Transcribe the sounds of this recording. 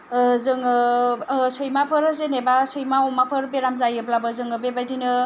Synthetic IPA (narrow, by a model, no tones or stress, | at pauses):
zɯŋɯ | sɯjmapʰɯɾzenebasɯjmaɔmapʰɯɾbeɾamzajɯblabɯzɯŋɯbebajdinɯ